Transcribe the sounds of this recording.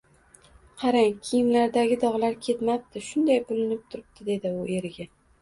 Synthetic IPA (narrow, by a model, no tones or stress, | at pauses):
qʰɑɾaŋkʲʰijɪmlaɾd̪aɡʲɪd̪ɒʁlaɾkʲʰe̞t̪map̚t̪ʰɪʃʊnd̪ajbʊlɪnɪp̚t̪ʰʊɾɪb̚t̪ʰɪd̪e̞d̪ɪʊe̞ɾɪɡʲa